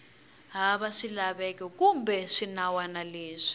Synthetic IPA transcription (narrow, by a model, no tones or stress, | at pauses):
ɦaβaʂilaβɛkɛkumbɛʂinawanaleːʂi̥